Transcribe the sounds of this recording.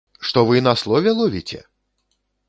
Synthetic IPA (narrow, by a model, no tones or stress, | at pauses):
ʂt̪ɔvɨnɐslˠɔvʲɛlˠɔvʲit͡sʲɛ̰